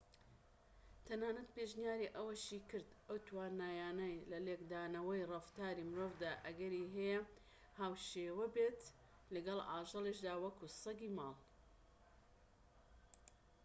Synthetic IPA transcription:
t̪ʰɐnaːnɐt̪̚peʒnijaːɾiʔɐwɐʃikɨɾd̪ɐwt̪ʰwaːnaːjaːnɐjlɐlekd̪aːnɐwɐjrɐft̪aːɾimɨɾoːvd̪aːʔɐɡɐɾiːɦɛjɛ | haːwʃeːwɐbeːt̪ | lɐɡɐlˠaːʒɨliʃd̪aːwɐkusɐɡiːmɑːlˠ

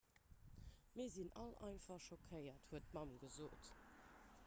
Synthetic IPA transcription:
miːɐzinɑ̰lɑɪnfɐχʃokʰəɪɐthuətmɑmɡəzoːt

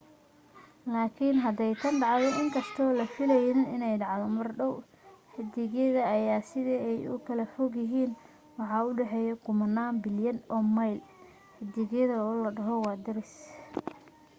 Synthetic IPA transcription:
laːkʰɪnɦɐd̪ɛjt̪ʰɐnɖɑʕðɛʔɪŋkʰɐst̪ʰɔːlɐfɪlɛjnɪnɪnɛjɖɑʕðɔmɐrɖɔw | ħɪd̪ɪɣɛðɐːjaːsɪðɛɛjʊ̰kʰɐlɐfɔɡjɪɦiːn | wɑħɑʊɖɛħɛjɐkʰʊmɐnːaːmbɪljɐnɔːmɐjl | ħɪd̪ɪɣɛðɐɔːlɐɖɐɦɔwɑːd̪ɐɾɪs

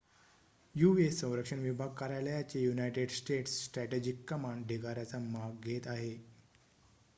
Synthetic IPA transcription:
juʋesə̃w̃ɾəkʂəɳʋibʱaɡ̚kaɾaləjat͡ɕejunajʈeɖsʈeʈssʈɾæʈed͡ʑikːəmaɳɖɖʱiɡaɾjat͡samaɡ̚ɡʱet̪aɦe

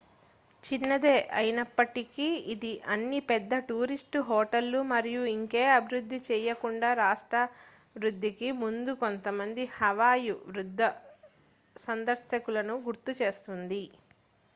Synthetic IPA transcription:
t͡ʃinːɐd̪eːʔɐjinɐpːɐʈikiid̪iʔɐnːipɛd̪ːɐʈuːɾisʈuɦoːʈɐlːumɐɾijuiŋke̞ːɐbʱiɾud̪ʱːit͡ʃɛːjɐkuɳɖaːɾaːʂʈɾɐ | ʋɾud̪ʱːikimund̪uko̞nt̪ɐmɐnd̪ihɐʋaːjuʋɾud̪ʱːɐ | sɐnd̪ɐɾsjɐkulɐnuɡuɾt̪ut͡ʃe̞ːst̪und̪i

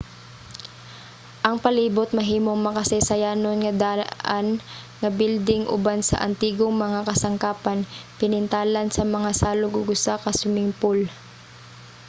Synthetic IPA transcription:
ʔɐŋpɐliːbot̪̚mɐɦiːmoŋmɐkasɛjsɐjaːnonŋɐd̪aːʔan | ŋɐbild̪ɪŋʔʊ̰bansɐ̰ʔɐ̰nt̪iːɡoŋmɐŋakɐsɐŋkaːpanpɪnɪnt̪aːlɐnsɐmɐŋasaːloɡʊɡʊsakɐsʊmɪŋpol

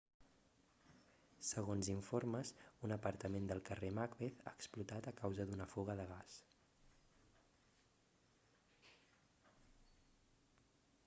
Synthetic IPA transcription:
səɣ̞onziɱfoɾməsunəpəɾt̪əmend̪əlˠkəremakβeθa̰əksplut̪at̪əkawzəðunəfuɣəðəɣ̞as

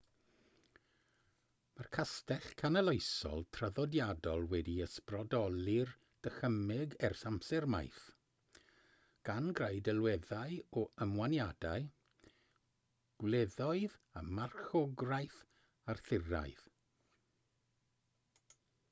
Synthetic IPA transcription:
markʰastɛɬkʰanəlˠejsɔ̰lˠtʰrəðɔdjadɔlˠwɛdiəsprɔdɔlɪr | d̥əxəmɪɡɛrsamsɛrma̰jθ | ɡ̥anɡrajdɛlˠwɛðaɨɔəmwanjadaɨ | ɡ̥wlɛðɔɨðamarxɔɡrajθ | arθɪra̰ɨð

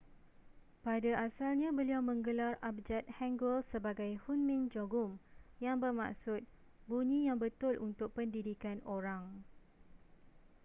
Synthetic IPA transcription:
padaʔasalɲãbəliawmə̃ŋɡəlarap̚d͡ʒɛt̪̚hɛ̃ŋɡəlsəbaɡajhunmĩnd͡ʒoɡʊmjaŋbərma̰ʔsʊt̪̚ | buɲĩjaŋbət̪ʊlʔunt̪ʊk̚pəndidikanoɾaŋ

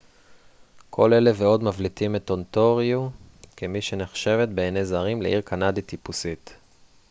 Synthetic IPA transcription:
kʰo̞le̞le̞veo̞dmavlitimeto̞nto̞ʁjukemiʃeneχʃe̞ve̞t̪beenejzaʁimlḛʔiʁkʰanaditipusit̪

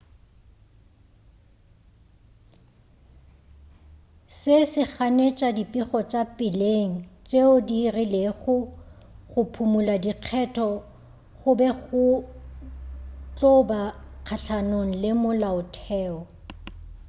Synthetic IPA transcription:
sɪsɪχanet͡ʃʼadipʼiχɔt͡ʃʼapʼɪleŋ̩t͡ʃʼeʊdirileɣʊ | χʊpʰumuladiq͡χʰɛtʰɔ | χʊbɛɣʊ | t͡ɬʼɔbaq͡χʰaɬʰanoŋ̩lɪmʊlaʊtʰɛːɔ

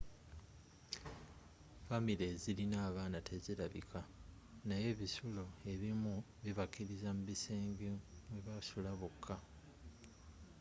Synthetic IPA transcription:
famileːzilinaːβaːnatʰe̞ziɾaβḭkʰa | naje̞βisulo̞e̞βimu | βiβakiɾizamuβiseːŋɡimwe̞βasulaβukʰːa

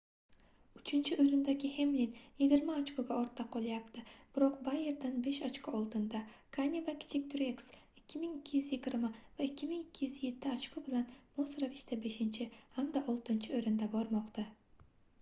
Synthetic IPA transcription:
ʊt͡ʃʰɪnt͡ʃʰɪɵjɾɪnd̪aɡʲɪhe̞mlinjɪɡʲɪɾmaːt͡ʃkʰoɡʲaɒɾt̪ʰːaqʰɒlˠajapt̪ʰɪb̥ɪɾɒqbaje̞ɾd̪anbe̞ʃat͡ʃkoɒlˠd̪ɪnd̪akʰanʲivakʲʰɪ̥t͡ʃʰɪk̚ʲt̪ʰʊɾeksɪkʲʰːɪmɪŋɪkʲʰːɪjyzjɪɡʲɪɾmavaɪkʲːɪmɪŋɪkʲʰːɪjyzje̞t̪ʰːɪat͡ʃkʰobɪlanmosɾavɪʃt̪ʰabe̞ʃɪnt͡ʃʰɪhamd̪aʔɒlˠt̪ɪnt͡ʃʰɪojɾɪnd̪abɒɾmɒqt̪a

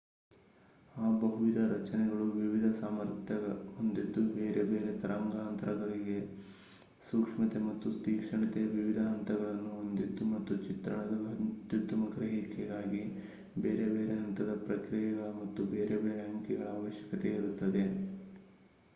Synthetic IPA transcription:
aːbɐɦuʋid̪ʱɐɾɐt͡ʃɐnɛɡɐɭuʋiʋid̪ʱɐsaːmɐɾt̪ʰjɐɐond̪id̪ːubeːɾebe̞ːɾe̞t̪ɐɾʔɐŋɡaːɐnt̪ɐɾɐɡɐɭiɡe̞ | suːkʂmɐt̪e̞mɐt̪ːust̪iːkʂɐɳɐt̪ɛjɐʋiʋid̪ʱɐɦɐnt̪ɐɡɐɭɐnːuond̪id̪ːumɐt̪ːut͡ʃit̪ɾɐɳɐd̪ɐɐt̪jut̪ːɐmɐɡɾɐɦikːeɛɡaːɡi | beːɾe̞be̞ːɾeɦɐnt̪ɐd̪ɐpɾɐkɾijɐɡɐɭɐmɐt̪ːubeːɾebeːɾeɦɐŋkɛɡɐɭaːʋɐʃjɐ̥kɐt̪eiɾut̪ːɐd̪e̞

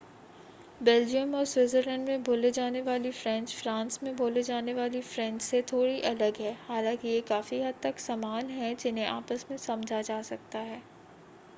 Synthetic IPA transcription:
beːld͡ʒijəmɔːɾswɪzəɾlɛ̃ːɳɖmẽboːled͡ʒaːneʋaːlifɾɛ̃nt͡ʃfɾãːnsmẽbʱoːled͡ʒaːneʋaːlifɾɛ̃ɲt͡ʃset̪ʰoːɽiʔɐləɡɦɛːhaːlãːkijekaːfiɦɐd̪̚t̪ɐksɐmaːnɦɛ̃d͡ʒɪnɦẽʔaːpəsmẽsɐmd͡ʒʱad͡ʒaːsɐk̚t̪aɦɛː

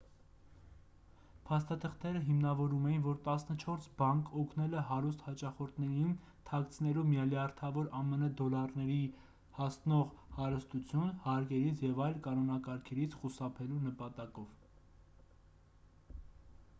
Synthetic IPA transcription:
pʰɑst̪ɑt̪ʰəχt̪ʰɛɾəɦimnɑvɔɾumɛjinvɔɾt̪ɑsnət͡ʃʰɔɾsbɑŋkɔkʰnɛlɛɦɑɾust̪hɑt͡ʃɑχɔɾt̪ʰnɛɾin | t̪ʰɑkt͡sʰnɛlumjɑljɑɾt̪ʰɑvɔɾɑmɛnəd̪ɔlɑɾnɛɾi | hɑsnɔʁhɑɾəst̪ut͡sʰjunhɑɾkɛɾit͡sʰjɛvɑjlkɑnɔnɑkɑɾkʰɛɾit͡sʰχusɑpʰɛlunəpɑt̪ɑkɔv̥

